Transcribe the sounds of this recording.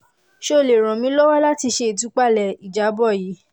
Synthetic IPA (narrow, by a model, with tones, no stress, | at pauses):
ʃo˦˨le˨ɾ̃ɔ̃˨mĩ˦lɔ˦wɔ˦la˦ti˧ʃe˧˦˨tu˨˦k͡pa˦˨lɛ˨i˨d͡ʒa˨˦bɔ˦˨ji˨˦